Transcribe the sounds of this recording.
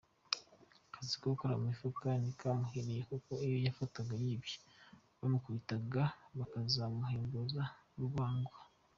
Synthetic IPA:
kazikokoɾamumifukanikamuheɾejekuko̞ijojafataɡajiːbjo̥ | βamukuβitaɡaβakazamuɦeːmbozaɾuβaːŋɡua

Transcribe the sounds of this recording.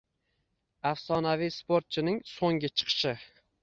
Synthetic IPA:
afsɒnavijspoɾt̪̚t͡ʃʰɪnɪŋsoŋɡʲɪt͡ʃʰɨ̥qʰɨ̥ʃɪ

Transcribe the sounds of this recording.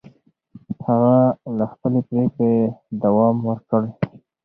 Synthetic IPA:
haɣalaxpəlepɾeked̪awɑmwəɾkəɽ

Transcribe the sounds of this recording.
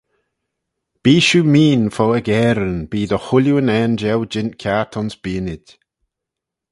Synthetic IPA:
b̥iːʃumiːnfɔəɡɛːɾənb̥iːðəhʊljuənɛːnd͡ʒɛld͡ʒɪnkʰjatʰɔnsb̥iːənɪd̥

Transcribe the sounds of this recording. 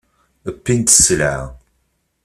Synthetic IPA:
əpːint̪ə̥sːəlʕa̰

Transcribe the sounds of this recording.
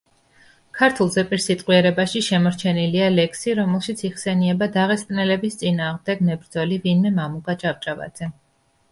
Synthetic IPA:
kʰaɾt̪ʰulˠzɛpʼiɾsit̪ʼqʼwiɛɾɛbaʃiʃɛmɔɾt͡ʃʰɛnilialɛkʰsiɾɔmɛlˠʃit̪sʰiʁsɛniɛbad̪aʁɛst̪ʼnɛlɛbist̪sʼinaːʁmd̪ɛɡnɛbɾd̪zɔlivinmɛmamukʼat͡ʃʼap̚t͡ʃʼava̰d̪z̥ɛ

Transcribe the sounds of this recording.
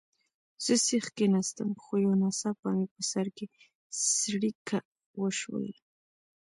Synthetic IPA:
sɪsɪχkɪnast̪a̰mχʊjonasapamɪkʊsaɾkɪ | ssɾɪkʰa | wʊʃwʊ̰j

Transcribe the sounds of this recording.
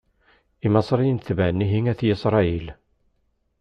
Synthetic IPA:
imɑsˤɾijənθvænːiɦiŋæθjisɾˤɑil

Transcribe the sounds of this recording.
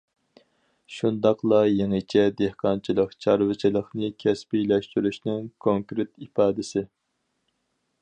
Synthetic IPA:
ʃund̪ɑqlˠɑjeŋɨt͡ʃʰɛd̪ehqʰɑnt͡ʃʰilˠəqt͡ʃʰɑɾvɨt͡ʃʰilˠəχnɨkʲʰɛspilɛʃt̪yɾyʃnɪŋkʰoŋkɾɪt̪ipɑːd̪ɪsɪ

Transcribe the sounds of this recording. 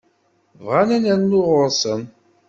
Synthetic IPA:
vʁanænænnːʊʁʊɾˤsən

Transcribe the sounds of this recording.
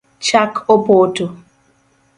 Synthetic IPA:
t͡ʃakʰopotʊ

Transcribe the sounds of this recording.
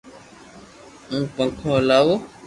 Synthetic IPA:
ŋ̩k͡pãkʰɔ̃lawo

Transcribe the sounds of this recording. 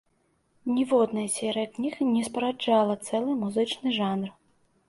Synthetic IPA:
nʲivɔd̪nɐjɐsʲɛɾɨjɐknʲixnʲɛspɐɾad͡ʒalˠɐt̪sɛlˠɨmuzɨt͡ʂnɨʐanr

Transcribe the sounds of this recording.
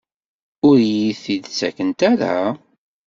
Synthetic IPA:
ʊɾjiθid̪t͡sːæ̰kənt̪æɾa̰

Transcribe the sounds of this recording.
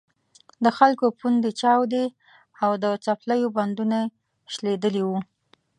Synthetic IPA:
d̪əxalkopund̪et͡ʃɑwd̪e | awd̪ət͡saplajoband̪una | ʃled̪əliwu

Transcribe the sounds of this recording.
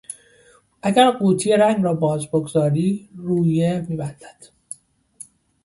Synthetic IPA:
ʔæɡæɾɢuːt̪ʰijeɾæŋɡɾɒːbɒːzboɡozɒːɾiːruːjemiːbænd̪̥æd̪̥

